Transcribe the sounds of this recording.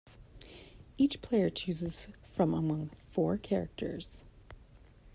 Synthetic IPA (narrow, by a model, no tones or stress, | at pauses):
it͡ʃpʰl̥eɪə˞t͡ʃʰʉzɨz̥fɹʌ̃məmʌ̃ŋfɔɹkʰɛɹɨ̰k̚tʰə̰˞z̥